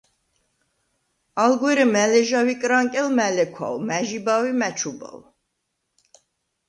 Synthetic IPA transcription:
alɡwɛɾɛmɛlɛʒawikʼɾaŋkʼɛlmɛlɛkʰwa̰wmæʒibawimæt͡ʃʰuba̰w

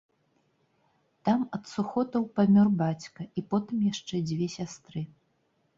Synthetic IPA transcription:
t̪amɐt̪suxɔt̪ɐwpamʲɔrbat͡sʲkɐipɔt̪ɨmjaʂt͡ʂɛd͡zʲvʲɛsʲast̪ɾɨ

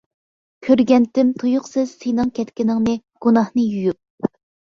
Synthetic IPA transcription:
kʲʰøɾɡʲɛnt̪ɪmt̪ʰujʊqsɨz̥senɨŋkʲʰɛt̪kʲinɪŋnɨ | ɡ̥unɑhnɨjujyp̚

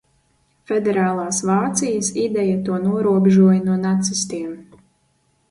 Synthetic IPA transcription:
fɛd̪ɛɾaːlˠaːsvaːt̪sijɐsid̪ɛjat̪uɔnuɔɾuɔbeʒuɔjɐnuɔnat̪sisʲt̪iɛm

